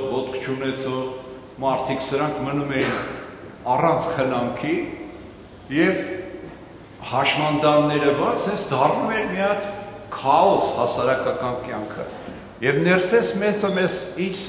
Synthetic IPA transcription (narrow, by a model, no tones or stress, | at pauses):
vɔt̪̚kʰt͡ʃʰunɛt͡sʰɔʁ | mɑɾt̪ʰiksəɾɑŋkʰmənumɛin | ɑrɑnt͡sʰχənɑŋkʰi | jɛv | hɑʃmɑnd̪ɑnːɛɾəvɑt͡sɛnt͡sʰd̪ɑrnumɛɾmiɑt̪kʰɑɔshɑsɑɾɑkɑkɑnkjɑŋkʰə̰ | jɛvnɛrsɛt͡sʰmɛt͡səmɛzit͡ʃʰ